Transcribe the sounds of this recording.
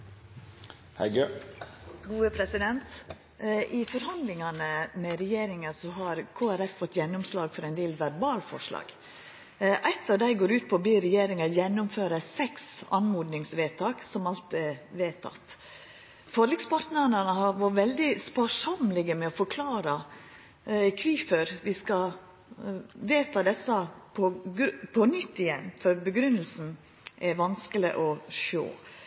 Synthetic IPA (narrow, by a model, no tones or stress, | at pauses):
hɛ̰ɪɡø | ɡuːəpʰɾɛsɪd̪ɛnt̪ | ʔɪfɔɾhɑnd̪lɪŋɑnəmɛɾɛjeːɾɪŋəsɔɦɑɾkʰoːæɾɛffɔt̪ːjɛnːʊmslɑːɡfɔɾæɪnd̪eːlʋæɾbɑːlfɔ̰ʂlɑ̰ːɡ̥ | ʔæɪt̪ːɑʋd̪æɪɡoːɾʉːt̪̚pʰobiːɾɛjeːɾɪŋɑjɛnːʊmføːɾəsɛksɑ̰nmuːd̪nɪŋsʋeːt̪ʰɑːksɔmɑlt̪ɛʋeːt̪ʰɑ̰t̪ː | fɔɾlɪkspʰɑɾt̪nəɾnənəhɑɾʋɑɾʋɛld̪ɪspɑʂɔmlɪɡəmɛɔfɔɾkʰlɑːɾə | kʰʋiːføɾʋɪskɑ | ʋeːt̪ʰɑd̪ɛsːɑpʰɔɡpʰɔnʏt̪ːɪjɛnːfɔɾbəɡɾʉnːəlsn̩ | ʔɛɾʋɑnskəlɪ̰ʔɔʃo̰ː